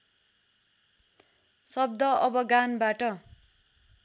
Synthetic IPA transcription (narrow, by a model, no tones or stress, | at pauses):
sʌb̚d̪ʌʔʌbʌɡanbaʈʌ